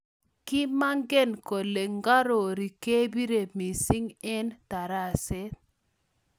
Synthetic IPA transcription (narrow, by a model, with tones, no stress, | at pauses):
ki˦ma˦ŋɡe˦nko˨le˨ŋɡa˦ɾo˨ɾi˨ke˦bi˦ɾe˨mi˨si˦ŋɛ˦nta˨ɾa˦˨se˦